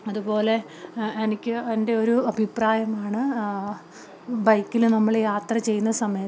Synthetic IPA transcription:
ɐðupo̞ːle̞ | enikʲːɨɐende̞o̞ɾuɐbʱipraːjɐmaːɳɨ | bɐjkːilnɐmːɐɭjaːt̪rɐt͡ɕe̞jːunːɐsɐmɐjɐ

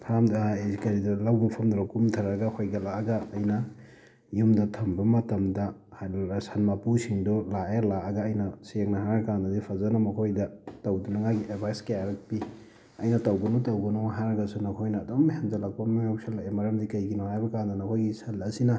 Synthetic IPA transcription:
pʰɾamdezikɐɾidɐlawɡipʰɐmdɾɐkumtʰɐɾɐɡɐhojɡɐlaɐɡɐːjnɐ | jumdɐtʰɐmbɐmɐtɐmdɐhasanmapusiŋdɔlaelaɐɡɐːjnɐsik̚nɐɦaɾɐkandɐdipʰɐzɐnɐmɐkʰojdɐtɐwdunɐŋaɡiʔedbʰʱajskɐjaɾɐk̚pi | ɐjnɐtɐwɡɐnutɐwɡɐnuɦaɾɐɡɐsunɐkʰojnɐːdomhenzɐlɐk̚pɐmaŋawsalaʔemɐɾɐmdikɐjɡinɔhajbɐkandɐnɐkʰojɡisɐlɐsinɐ

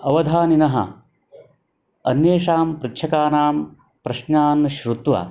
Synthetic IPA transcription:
ɐʋɐd̪ʱaːninɐɦɐ̰ | ɐ̰njeːʂaːmpɾitːʃʰɐkaːnaːm | pɾɐʃnaːnʃɾut̪ʋa̰ː

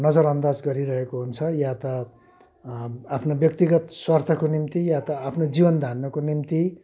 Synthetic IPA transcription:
nʌd͡zʌɾʌnd̪ad͡zɡʌɾiɾʌɦekoɦunt͡sʰʌjat̪ʌ | apʰnobjʌk̚t̪iɡʌt̪swart̪ʰʌkonimt̪ijat̪ʌapʰnod͡zibʌnd̪ʱanːʌkonimt̪i

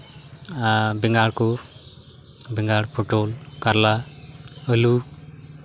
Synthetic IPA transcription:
biŋɡaɽko | biŋɡaɽpʰoʈolkaɾla | əlu

